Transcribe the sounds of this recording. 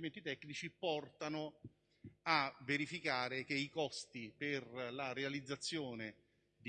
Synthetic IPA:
ment̪it̪ɛkːnit͡ʃipɔrt̪anʊ | aveɾifikaːɾekeikɔst̪iperlaɾealid̪zːat̪sːjoːne | d̪

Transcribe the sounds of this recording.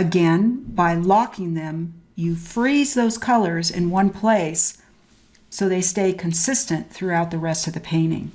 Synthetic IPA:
ɨɡɛ̃nbaɪlɑkɪ̃ŋðɨ̃mjɨfɹizðoʊz̥kʰʌlˠə˞zɨ̰̃nwʌ̃npʰl̥eɪsː | oʊðeɪsteɪkʰɨ̃n̩sɪstɨ̃nθɹʉaʊt̪̚ðɨɹɛstʌvðɨpʰẽɪ̃ɾ̃ɪ̰̃ŋ

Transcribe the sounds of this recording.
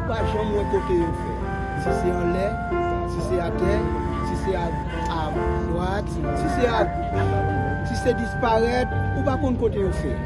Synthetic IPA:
upaʒʌ̃mwɛ̃kotejofɛ | sisɛʌ̃lɛ | siseatɛ | sisɛa | abwat | sisɛa | sisɛdispaɣɛt̚upakũnkotejofɛ̰

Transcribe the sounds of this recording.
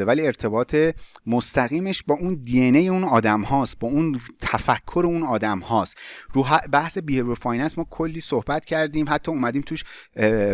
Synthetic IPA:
evæliːe̞ɾt̪ʰe̞bɒːt̪ʰe̞most̪æɣiːmeʃbɒːuːnd̪ienejeũnɒːd̪æmhɒːs̚bɒːunt̪ʰæfækʰːoɾeuːnɒːd̪æmhɒːst̪ɾuːɦæbæhse̞biːebɾofɒːjnæsmɒːkʰolːiːsohbæt̪cʰæɾd̪iːmɦæt̪ʰːɒːuːmæd̪iːmt̪ʰuːʃ

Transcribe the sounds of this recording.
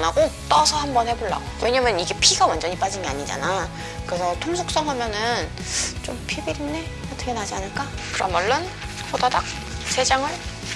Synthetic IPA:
naɡot͈ʌsʰʌhambʌnhe̞boɭːa̰ɡowe̞ɲamjʌnɯniɡe̞pʰiɡawand͡ʑʌɲip͈ad͡ʑinɡeaɲid͡ʑa̰na | kɯɾe̞sʰʌtʰomsʰuk̚s͈ʌŋɦamjʌnɯn | t͡ɕompʰibiɾinːe | ʌt͈ʰʌkʰenad͡ʑianɯɭk͈akɯɾʌ̰nmaɭːɯn | pʰodadak̚ | sʰe̞d͡ʑaŋɯɭ

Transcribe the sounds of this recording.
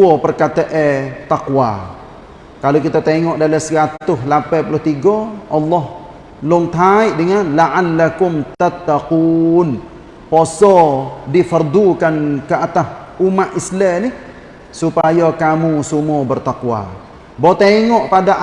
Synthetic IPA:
ɔpərkat̪əʔɛt̪aqwa̰ | kalokit̪at̪eŋɔʔdalasəkat̪ʊɦlapɛpulʊht̪iɡɔʔɑlːɔh | lʊŋt̪aɪʔdəŋanlaʔanːakʊmt̪at̪ːaquːn | posɔdifərd̪ukankəat̪asumaʔislɛnɪh | supajɔkamusumɔbərt̪aqwa̰ | bot̪eŋɔʔpadaʔ

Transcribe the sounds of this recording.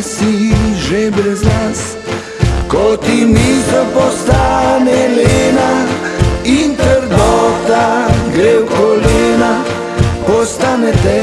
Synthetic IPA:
siʒebɾɛznas | kɔt̪inizəpɔst̪anɛlena | int̪əɾd̪ɔt̪aɡɾewkɔleːna | pɔst̪anɛt̪ɛ

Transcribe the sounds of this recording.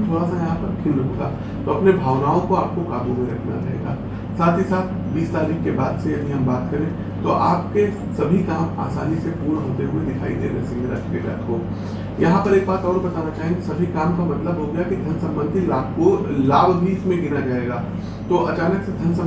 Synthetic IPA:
t̪ʰoːɽasajɐɦãpɐɾkʰɪlɦoɡaː | t̪oɐpnebʱaːʋnaːõkoaːp̚kokaːɡumẽɾɐkʰna̰t͡ʃa̰ɦḛːɡa̰ː | saːt̪ʰisaːt̪̚ʰ | biːst̪aːɾiːkːebaːd̪sejɐbʱiɦɐ̃mbaːt̪kɐɾẽː | t̪oʔaːp̚ke | sɐbʱikaːma̰ːsaːnisepuːɾɦoːt̪eɦued̪ɪkʰa̰ːid̪ḛːɾesɪ̃ŋɡɾɐ̰kʰkeɾɐ̰ːk̪ʰɦoː | jɐɦãpɐɾeːk̚baːt̪ɔːɾbɐt̪aːnat͡ʃaːɦẽesɐbʱikaːmkamɐt̪ləbɦoɡɐjakid̪ʱɐnsɐ̃mbə̃nd̪ʱilaːbolaːbʱbʱiɪsmẽɡɪnad͡ʒaːeːɡaː | t̪oːʔɐt͡ʃaːnəksed̪ʱɐnsɐ̃

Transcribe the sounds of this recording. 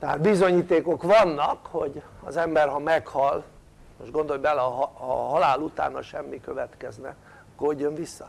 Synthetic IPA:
t̪ɛɦa̰ːt̪̚bizo̞ɲiːt̪eːko̞kʋɒnːɒkho̞ɟ | ɒ̰zɛmbɛrɦɒmɛkhɒl | noʃɡo̞nd̪oojbɛlɛɒɦhɒɦɒlaːlut̪a̰ːnhɒ̰ʃɛmːikø̞vɛt̪kɛznɛ | koɟːo̞ɱvisːɒ

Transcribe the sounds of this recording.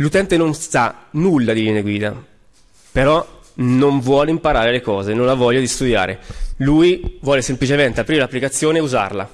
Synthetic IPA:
lut̪ɛnt̪enonst̪anulːad̪ilinaɡwiːd̪a̰ | peɾɔ | noɱvwɔːleimpaɾaːɾelekɔːzenõnavːɔʎːad̪ist̪ud̪ja̰ːɾelujvwɔːlesemplit͡ʃement̪eapɾiɾelapːlikat̪sːjoːneuza̰rla̰

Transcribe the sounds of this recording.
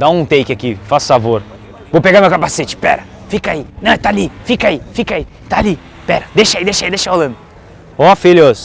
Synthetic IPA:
d̪aũt̪ejkʲɪakifasʊ̥favoɾ | vopeɡamewkapaset͡ʃɪ̥pɛ̰ɾɐ | fikainɐ̃w̃t̪aːlifikɐaifikai | t̪aːli | pɛɾɐd̪eʃɐid̪eʃaid̪eʃɐholɐ̃nd̪ʊ | ɔfeloz̥

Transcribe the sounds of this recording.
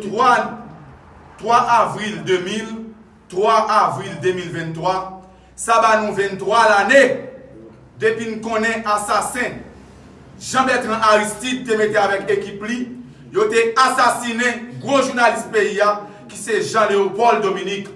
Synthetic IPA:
t̪wa | t̪ʁwaʔavʁild̪ømil | t̪ʁwaʔavʁild̪ømilvɛ̃nt̪ʁwa | sabanũvɛ̃nt̪ʁwalane | d̪epinũkɔ̃nɛ̃ʔasasɛ̃ | ʒãbɛt̪ʁãʔaist̪it̪ːemet̪eavɛkekipli | jot̪easasinɛ̃ɡʁoʒunalis̚peia | kisɛʒãleopɔld̪ominik

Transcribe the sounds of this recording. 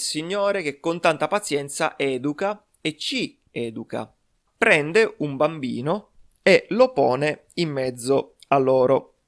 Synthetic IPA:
siɲːoːɾek̟ekːont̪ant̪apat̪sjɛnt̪sa̰ʔɛːd̪uka | et͡ʃːi | ɛːd̪uka̰ | pɾɛnd̪eumbambḭːno | elopɔːne | imːɛd̪zːoalːɔːɾo

